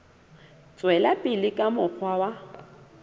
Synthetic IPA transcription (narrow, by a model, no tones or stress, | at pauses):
t͡sʼwɛlapʼɪlɪkʼamʊk͡xʰwawa